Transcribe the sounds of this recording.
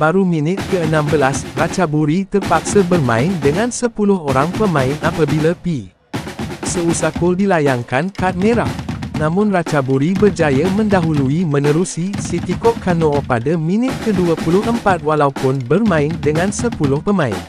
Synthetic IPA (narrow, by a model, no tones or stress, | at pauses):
baɾumĩnɪt̪̚kəənãmbəlasrat͡ʃabuɾit̪ərpaksabərmã̰ɪndəŋãnsəpulʊhoɾaŋpəmãɪnapabilapi | səusakʊldilajaŋkankat̪̚mẽɾahnãmʊ̃nrat͡ʃabuɾibərd͡ʒajəmə̃ndaɦuluimə̃nəɾusisit̪ikɔʔkanopadamĩnɪt̪̚kəduəpulʊhəmpat̪̚walaupʊnbərmãɪndəŋãnsəpulʊhpəmãɪ̰n